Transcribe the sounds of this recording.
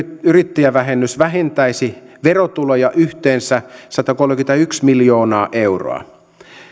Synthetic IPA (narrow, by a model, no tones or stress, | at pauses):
yrit̪ːiæʋæɦenːysʋæɦent̪æisi | ʋerot̪ulojɑʔyht̪eːnsæsɑt̪ɑkolmĕkynt̪æyksmiljo̞ːnɑːʔeuro̰ɑ̰